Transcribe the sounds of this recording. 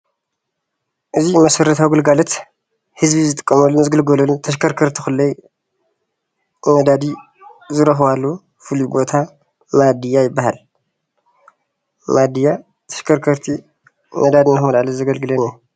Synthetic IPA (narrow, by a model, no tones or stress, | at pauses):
ʔɨzimɐsɐɾɐt̪ʰawɡɨlɡalɐt̪ | hɨzbizɨt̪ʼɨkʼːɐmɐlːunɨzɡɨlɡɐlɐlut̪ʰɐʃ̬kʰɐɾkʰɐɾt̪ʰixɨlːɐj | mɐd̪ad̪i | zɨɾɐxβalːo | fɨlubo̞t̪ʰa | mad̪ɨjːajɪbːahal | mad̪ijːa | t̪ʰɐ̥ʃkʰɐɾkʰɐɾt̪ʰi | mɐd̪ad̪inaxmɐlʕalɐzɐɡɐlɡɨlɐnju